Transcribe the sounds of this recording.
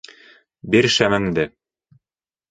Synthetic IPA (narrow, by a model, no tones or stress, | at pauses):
biɾʃæmɘ̆md̪ɘ